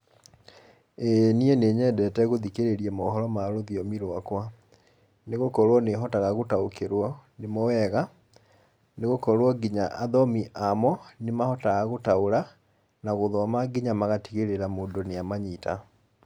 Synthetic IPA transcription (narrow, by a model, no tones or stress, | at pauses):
enieneːɲɛdɛtɛɣoðikeɾeɾiɛmɔɦɔɾɔmaɾoðiɔmiɾwakwa | neɣokɔɾwɔneɦɔtaɣaɣotaokʰeɾwɔnemɔwɛɣa | neɣokɔɾwɔɡiɲaʔaðɔmiʔamɔnemahɔtaɣaɣotaoɾa | naɣoðɔmaɡiɲamaɣatiɣeɾeɾamoːndoneamaɲita